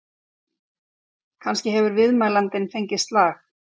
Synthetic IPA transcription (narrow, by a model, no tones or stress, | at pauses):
kʰanscɪɦɛvʏɾvɪðmaːjlant̪ɪnfejɲcɪst̪laːx